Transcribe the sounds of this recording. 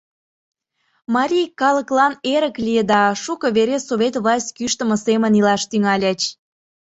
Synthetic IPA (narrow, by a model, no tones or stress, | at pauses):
mɑɾʲijkɑlə̆klɑneɾəklʲijəd̪ɑʃukə̆βeɾesoβet̪βlɑsʲtʲkyʃt̪ə̆mə̆semənilɑʃt̪yŋɑlʲet͡ɕ